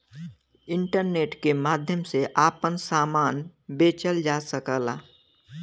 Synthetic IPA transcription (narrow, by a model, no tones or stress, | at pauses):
ɪ̃ɳʈəɾneːʈkemaːd̪ʱjəmseʔaːpənsaːmaːnbeːt͡ʃəld͡ʒaːsəkəla̰